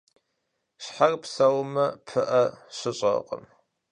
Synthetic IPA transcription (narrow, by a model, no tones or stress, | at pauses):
ɕħarpsɐwmɐpʰɨʔɐɕɪɕʼɐ̰qʼə̰m